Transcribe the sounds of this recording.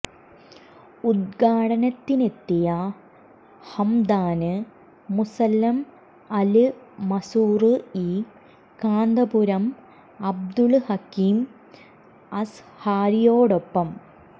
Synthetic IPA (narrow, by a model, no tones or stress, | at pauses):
ud̪ɡaːɽɐnɐt̪ːine̞t̪ːijɐ | hɐmd̪aːnɨ | musɐlːɐm | ɐlɨmɐsuːrɨiː | kaːnd̪ɐbuɾɐm | ɐb̚d̪uɭhɐkiːm | ɐs | haːɾijoːɽo̞pːɐm